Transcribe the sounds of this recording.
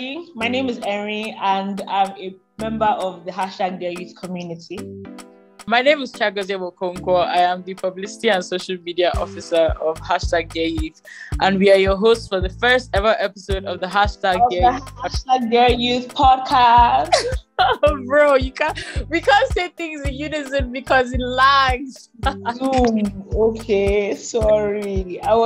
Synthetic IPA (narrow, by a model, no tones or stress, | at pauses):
maɪnẽɪ̃mɪzɛɹiə̃ndãɪ̃mə | mɛ̃mbəʔɔvðəɦaʃtaɡ̚dɛjʉθkʰɔmjʉnɪtʰi | maɪnẽɪ̃mɪz̥t͡ʃʰaɡɔzewɔkʰõŋkɔʔa̰ɪãmðɨpʰʌblɪsɪ̥tiə̃nsoʊʃəlˠmidiaʔɔfɪsəɔv̥haʃtaɡ̚dɛjʉθʔə̃nwiajəɦostfɔðəfɜ˞stɛvəʔɛpɪsoʊɾɔvðəɦaʃtaɡɛɹataɡɡɛjuθpʰɔd̚kʰass | bɹojukʰãwikʰãnseɪθɪ̃ŋzɪ̃njunɪzɨ̃mbikʰɔzɪnlaɪz | uokʰesɔɹiaɪw